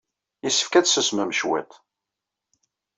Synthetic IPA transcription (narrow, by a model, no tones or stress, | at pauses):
isːə̥fkæt͡ssəsməmʃwæ̰t̪